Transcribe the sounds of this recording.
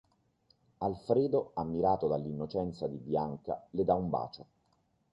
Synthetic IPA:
alfɾeːd̪oamːiɾaːt̪od̪alːinːot͡ʃɛnt̪sad̪ibjaŋka̰led̪aumba̰ːt͡ʃo

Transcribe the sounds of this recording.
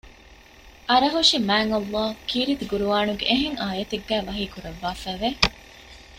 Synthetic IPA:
ʔɐɾɐɦuʂimæːŋɐlːɑːkiːɾid̪iɡuɾuʋaːnuɡeʔːɦeŋaːjɐt̪eɡːæːʋɐɦiːkuɾɐʋːaːfæːʋe

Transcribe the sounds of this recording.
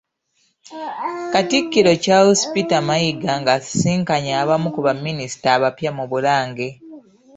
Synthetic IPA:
katikːiɾo̞caospitamajiɡaŋɡassiːŋkaɲaːβamukuβamːinisi̥taːβapjamuβulaːŋɡe̞

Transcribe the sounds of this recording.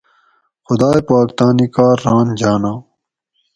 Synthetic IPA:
xʊd̪aːjepaːkt̪aːnikaːɾːaːnd͡ʑaːnaː

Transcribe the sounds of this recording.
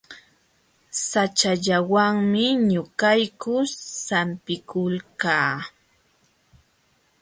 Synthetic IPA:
sat͡ʃaʎawaŋmɪɲʊkajkʊsampɪkʊlkaː

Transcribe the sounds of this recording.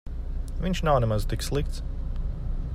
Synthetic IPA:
vʲinʲt͡ʃnaʊnɛmazt̪ikslˠik̚t̪s

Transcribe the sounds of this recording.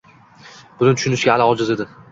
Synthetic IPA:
bʊlɪnt̪ʰʊ̥ʃʊnɪʃɡʲaːlaɒd͡ʒɪzed̪ɪ

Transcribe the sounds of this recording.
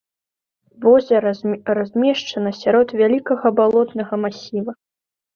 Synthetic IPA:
vɔzʲɐɾrazʲmʲɛʂt͡ʂɐnɐsʲaɾɔt̪vʲalʲikɐɣɐbalˠɔt̪nɐɣɐmasʲivɐ

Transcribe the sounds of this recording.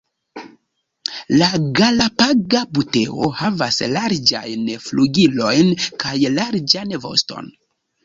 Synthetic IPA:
laɡalapaɡabute̞o̞havaslaɾd͡ʒa̰jnfluɡilo̞jnkajlaɾd͡ʒanvo̞̰sto̞̰n

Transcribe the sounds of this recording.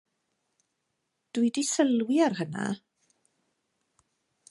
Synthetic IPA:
d̥uɨdisəlˠwiarɦəna̰

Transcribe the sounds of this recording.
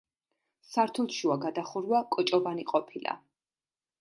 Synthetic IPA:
saɾt̪ʰulˠʃuaɡad̪aχuɾwakʼɔt͡ʃʼɔvaniqʼɔpʰila̰

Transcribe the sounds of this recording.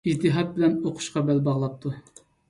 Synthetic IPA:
id͡ʒt̪ʰːɨɦɑt̪̚bɪlɛnoqʰʊ̥ʃqɑbɛlbɑʁlˠɑp̚t̪ʰu

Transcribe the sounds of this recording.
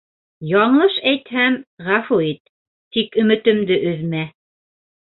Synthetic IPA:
jɒɴɤʃæjt̪hæmʁɑfuit̪ː | ikɵ̆mɘ̆t̪ɘ̆md̪ɘʔɵ̆ðmæ

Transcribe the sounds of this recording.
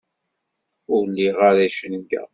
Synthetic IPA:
ʊɾlːiʁaɾæʃənɡæ̰

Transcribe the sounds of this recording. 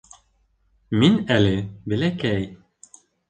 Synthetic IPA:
minælɘbɘ̆lækæj

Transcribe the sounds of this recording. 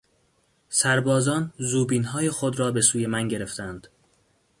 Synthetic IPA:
sæɾbɒːzɒːnzuːbiːnɦɒːjexod̪ɾɒːbe̞suːje̞mænɟe̞ɾe̞ft̪ʰænd̪̥

